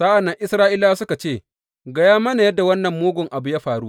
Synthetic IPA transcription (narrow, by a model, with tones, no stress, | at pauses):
saː˦ʔa˨nːɐ˦ŋʔɪ˦sɾaː˦ʔɪ˦laː˦sʊ˦ka˨t͡ʃeː˦˨ | ɡɐ˦jaː˦mɐ˦na˨jɐ˦dːa˨wɐ˦nːɐ˨mːoː˦ɡʷʊ˨ŋʔa˨bu˨ja˦ɸaː˨ɽuː˦